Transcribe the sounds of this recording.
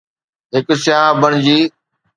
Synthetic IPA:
ɦɪksɪjaːɦbəɽ̃d͡ʑiː

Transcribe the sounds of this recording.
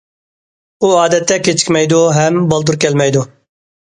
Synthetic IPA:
uːaːd̪ɛt̪ːɛket͡ʃkmɛjd̪oɦɛmbɐlˠd̪uɾkɛlmɛjd̪o

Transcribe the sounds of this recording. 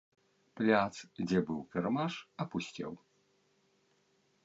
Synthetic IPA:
plʲat̪sd͡zʲɛbɨwkɐrmaʂɐpusʲt͡sʲɛ̰w

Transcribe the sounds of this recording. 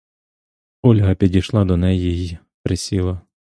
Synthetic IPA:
ɔlʲɦɐpʲidʲijʃlˠɑd̪ɔnɛjiji | pɾesʲilˠɐ

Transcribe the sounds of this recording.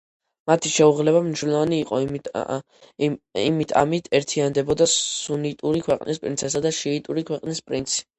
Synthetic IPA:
mat̪ʰiʃɛuʁlɛβamniʃnulɔvaniːqʼɔ̰ | imit̪ʰa̰mit̪ʰɛɾt̪ʰiand̪ɛbɔd̪asunit̪ʼuɾikʰwɛqʼnispʼɾḭnsʰɛsad̪aʃiːt̪ʼuɾikʰwɛqʼnispʼɾint̪sʰi̥

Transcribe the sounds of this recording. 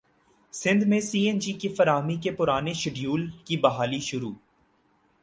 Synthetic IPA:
sɪ̃nd̪mẽsiːẽnd͡ʒikifɐɾaːɦmikepʊɾaːneʃɪɖjuːlkibɐɦaːliʃʊɾuː

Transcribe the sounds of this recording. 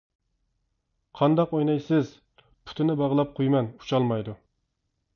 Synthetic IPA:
qʰɑnd̪ɑqojnɑjsɪz | pʰy̥t̪ʰɪnɪbɑʁlˠɑp̚qʰojmɛnu̥t͡ʃʰɑlˠmɑjd̪u

